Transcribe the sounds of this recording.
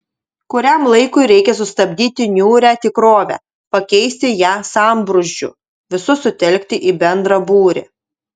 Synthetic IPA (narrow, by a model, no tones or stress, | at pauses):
kʊɾʲæmlˠɐɪkʊɪɾʲɛɪkʲɛsʊst̪ɐbʲd̪ʲiːt̪ʲɪnʲuːɾʲæːt̪ʲɪkɾoːʋʲæ̰ː | pɐkʲɛɪsʲt̪ʲɪjæːsɑˑmbɾʊʒʲd͡ʒʲʊ̰ | ʋʲɪsʊsʊt̪ʲɛlʲkʲt̪ʲɪʔiːbʲɛnd̪ɾɐbuːɾʲḛ